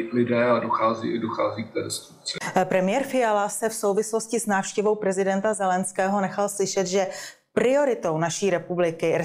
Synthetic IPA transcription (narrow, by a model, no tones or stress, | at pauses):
lɪdɛːadoxaːzḭːɪdoxaːziːk̚t̪ɛːdɛst̪ut͡sɪpɾɛmɪjɛːɾfɪjalasɛfso̞wvɪslo̞scɪsnaːfʃcɛvo̞wpɾɛzɪdɛnt̪azɛlɛnskɛːɦo̞nɛxalslɪʃɛt̪ʒɛ | pɾɪo̞ɾɪt̪o̞wnaʃiːɾɛpublɪkɪɛ